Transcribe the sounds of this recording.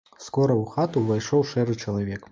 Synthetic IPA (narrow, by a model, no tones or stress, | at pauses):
skɔɾɐwxat̪uvajʂɔwʂɛɾɨt͡ʂɐlˠɐvʲɛk